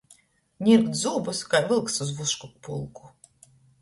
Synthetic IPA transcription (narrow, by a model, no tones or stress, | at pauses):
nʲiɾkt̪zuːbɔskajvɨlˠksuzvuʃkɔk̚pṵlˠku̥